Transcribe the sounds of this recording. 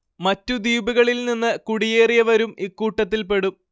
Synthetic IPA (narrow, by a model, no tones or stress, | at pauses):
mɐtːud̪iːbuɣɐɭilninːɨkuɽije̞ːrijɐʋɐɾumikːuːʈːɐt̪̬ːilpe̞ɽum